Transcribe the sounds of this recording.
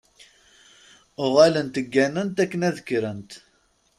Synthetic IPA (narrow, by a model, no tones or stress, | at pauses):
ʊʁælənt̪əɡːænənt̪ækːənæðəkːɾənt̪